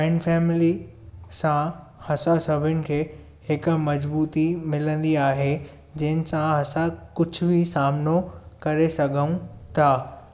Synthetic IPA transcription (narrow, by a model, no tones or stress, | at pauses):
ɪnɖfɛːmɪli | sã | hɐsasɐbʱʊnɪ̆kʰeː | hɪkmɐd͡ʑbuːt̪imɪlə̃nd̪iaːɦe | d͡ʑɐ̃ɦɪnɪ̆sãɦɐsakʊd͡ʑʱʊbʱɪsaːmnokɐɾesɐɡʱəũt̪ʰaː